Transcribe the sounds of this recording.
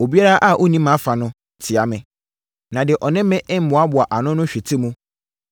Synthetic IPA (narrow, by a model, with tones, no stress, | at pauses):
o˨bi˦a˦ɾa˦ʔa˦˨ʔo˦nĩ˦mã˨˦fa˨nʊ̃˦ | tʰɪ˨a˨mɪ̃˨ | nã˨dɪ˨ʔɔ˨nɪ̃˦mɪ̃˦ʔm̩˦mʊ̃˨˦a˦bʊ˨a˨ʔa˨nʊ̃˦nʊ̃˦ɕᶣɪ˨tʰɪ˦mũ˦